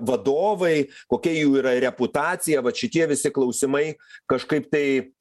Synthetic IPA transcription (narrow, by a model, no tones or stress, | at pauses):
ʋɐd̪oːʋɐɪkoːkʲɛjuːiːɾɐɾʲɛpʊt̪ɑːt͡ssʲɪjɛʋɐʃʲɪt̪ʲiɛʋʲɪsʲɪklˠɐʊsʲɪmɐɪkɐʃkɐɪpt̪ɐɪ